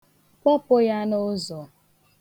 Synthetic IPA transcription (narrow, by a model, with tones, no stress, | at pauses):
kʷɔ˦pʊ˦ja˦no˦zɔ˨